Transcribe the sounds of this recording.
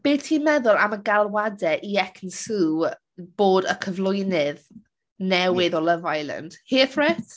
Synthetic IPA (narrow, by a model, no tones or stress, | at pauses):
b̥eːtʰiːmɛðʊlˠa̰məɡalˠwadɛʔiɛkʰnsuː | b̥oːdəkʰəvlˠʊjnɪð | nɛwɪðɔləvajlˠə̰nd̥hiːθrɛt